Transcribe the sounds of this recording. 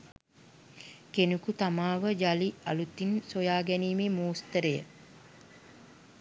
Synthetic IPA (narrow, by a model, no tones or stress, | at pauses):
kenukut̪amaːʋəd͡ʒalialut̪insojaːɡæniːmemuːst̪əɾəjə̰